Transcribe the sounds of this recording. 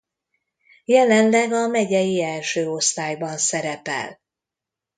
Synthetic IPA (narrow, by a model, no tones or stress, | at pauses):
jɛlɛnlɛɡɒmɛɟɛjiɛlʃøːo̞st̪aːjbɒnsɛɾɛpɛ̰l